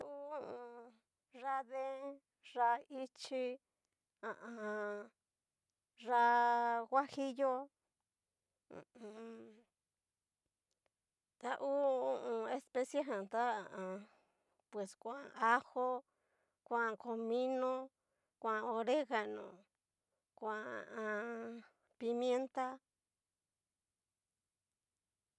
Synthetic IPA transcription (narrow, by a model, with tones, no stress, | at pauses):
ũ˦ũ˨˧ | ʐa˧ðe˦ | ʐa˧i˦t͡ʃi˧ | ã˨ʔã˧ã˧ | ʐa˧ɣʷa˦hi˦jo˦˨ | ũ˨ | t̪a˦ʔu˦ũ˦˧ũ˧e˧spe˦sja˦ɦã˨t̪a˦a˨ʔã˨ | pwe˨skʷã˨˧a˦ho˦ | kʷã˦˧˨ko˧mĩ˦nõ˦ | kʷã˧o˧ɾe˦ɣa˨nõ̰˨ | kʷa˨ã˧ | pi˧mje˦nt̪a˦